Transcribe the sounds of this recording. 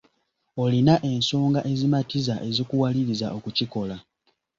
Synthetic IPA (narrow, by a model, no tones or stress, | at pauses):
o̞linaʔe̞nsoːŋɡaʔe̞zimatizaʔe̞zikuwaliɾizaʔo̞kuciko̞la